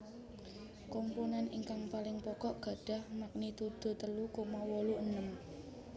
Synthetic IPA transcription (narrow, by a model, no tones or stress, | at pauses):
kompunaniŋkaŋpalɪŋpɔkɔʔɡ̥ä̤ɖ̥ä̤hmak̚nit̪ud̪̥o̤t̪əlukomawɔluʔənəm